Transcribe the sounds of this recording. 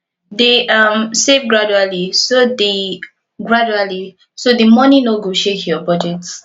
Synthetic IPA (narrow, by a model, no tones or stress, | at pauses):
d̪eʔʌmsevɡɹad͡ʒualisod̪i | ɡɹad͡ʒuali | sod̪imɔnĩnoɡuʃethiəbɔd͡ʒets